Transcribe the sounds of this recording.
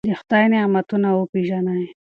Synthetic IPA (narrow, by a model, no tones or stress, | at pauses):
d̪ext̪ajneamat̪unawopiʒana